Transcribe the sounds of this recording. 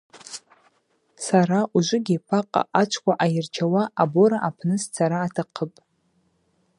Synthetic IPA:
saɾaʔuʒʷʊɡʲɪpʰaqʼa̰ʔat͡ʃʷʰkʷaʔajɪrt͡ʃʰawaaboɾaʔapʰnɨst͡sʰaɾaːtʰaqʰəpʼ

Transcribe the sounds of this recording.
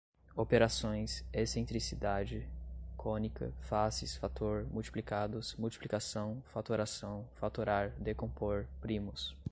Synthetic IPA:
opeɾasõj̃sesẽnt̪ɾisid̪ad͡ʒɪkõnikʰɐ̰fasɪsfat̪oɾmuwt͡ʃi̥plikad̪ʊsmuwt͡ʃi̥plikasɐ̃w̃fat̪oɾasɐ̃w̃fat̪oɾaɾd̪ekõpoɾpɾĩmʊs

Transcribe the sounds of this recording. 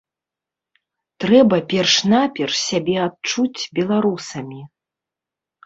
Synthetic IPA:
t̪ɾɛbɐpʲɛrʂnapʲɛrʂsʲabʲɛat̪̚t͡ʂut͡sʲbʲɛlˠaɾusɐmʲi

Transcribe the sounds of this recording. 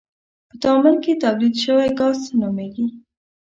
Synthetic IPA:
pət̪ɑmʊlket̪ablid̪ʃəwajɡɑzt̪anumeɡi

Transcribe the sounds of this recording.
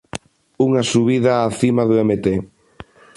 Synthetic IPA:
uŋɐsuβiðɐːθimaðuemet̪e

